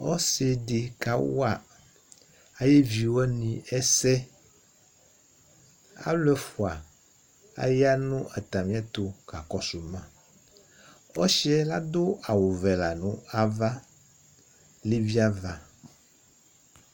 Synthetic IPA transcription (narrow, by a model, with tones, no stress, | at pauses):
ɔ̰˦se˨ɖe˨ka˨wo̰˦a˨ | a˨je˦vi˨wɔ˦nĩ˨ɛ˦sɛ˦ | a̰˦lɛ˦fu˨a˨ | a̰˦ja˦nũ˦ʔa˨t̪a˨mĩ˦a˦t̪o˨ka˨kɔ˦so˨mã˦ | wɔ˦ʃi˦ɛ˦la˦d̪o˦a˨wo˨vɛ˨la˨nũ˦a˦va˦ | le˦vi˦a˦va˦